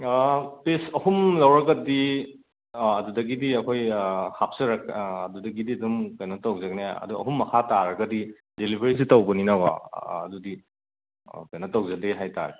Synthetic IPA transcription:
pesɐhumlawɾɐɡɐdi | ɐdudɐɡidiɐkʰojhap̚sɐɾak̚ɐdudɐɡidiɐdumkajnɐtawzak̚naɐ̰duɐ̰ɦumːɐkʰataɾɐɡɐdi | delibʱeɾis̬itawbɔninawa̰ːdudi | kajnɐtawzak̚deɦajta̰ɾe

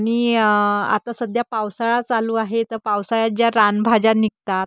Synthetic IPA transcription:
ɽ̃i | a̰t̪asəd̪ʱjapawsaɭat͡saluːaɦet̪əɾpawsajad͡ʑjaɾanbʱad͡ʑanikt̪at̪̚

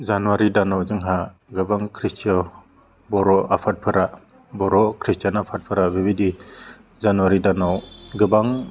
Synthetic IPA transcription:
zanuwaɾidanawzɯŋɦaɡɯbaŋkʰɾistʰiɔ | bɔɾɔʔapʰat̚pʰɯɾa | bɔɾɔkʰɾistjanapʰat̚pʰɯɾabibidi | zanuwaɾidanawɡɯbaŋ

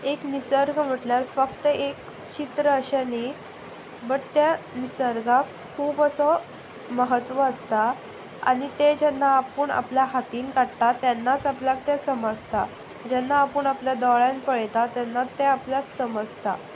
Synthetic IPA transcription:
eknisəɾɡʱm̤əʈljaɾfəkt̪əʔek | t͡ɕit̪ɾəəɕani | bəɽt̪janisəɾɡʱak | kʰːuːbəsɔ | məɦət̪ʋəəst̪a | a̰ɽit̪ed͡ʑɛnːaːpəɳa̰pljaɦat̪iːnkaɽt̪at̪janːat͡sapljak̚t̪jasəməd͡zt̪a | d͡ʑɛnːaːpəɳapljad̪ɔɭjãnpəɭjt̪at̪janːat̪ːeapljaksəməd͡zt̪a̰

